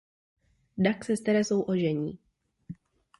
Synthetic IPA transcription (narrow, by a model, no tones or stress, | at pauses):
daksɛst̪ɛɾɛso̞wʔo̞ʒɛɲiː